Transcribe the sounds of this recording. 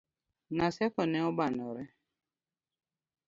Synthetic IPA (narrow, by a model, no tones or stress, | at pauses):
nasɛkɔnɛɔbanɔɾɛ